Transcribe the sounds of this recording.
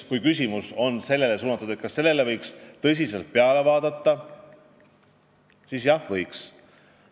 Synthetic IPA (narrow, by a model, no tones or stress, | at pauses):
kujkys̬ʲimuso̞nse̞lːe̞lesuːnːɑt̪ːˑud̪̥et̪̚kɑsːe̞lːe̞le̞vɤjkst̪ɤs̬ʲise̞lt̪̚peɑle̞vɑːd̪̥ɑt̪ːɑ | sisjɑhvɤjks